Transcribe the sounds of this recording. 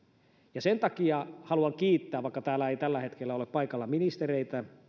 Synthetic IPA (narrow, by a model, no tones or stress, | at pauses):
jɑsent̪ɑkiɑhɑluɑŋkiːt̪ːæːʋʋɑikːɑt̪æːlːæeijt̪ælːæhet̪kelːæoleppɑikɑlːɑminist̪ereit̪æ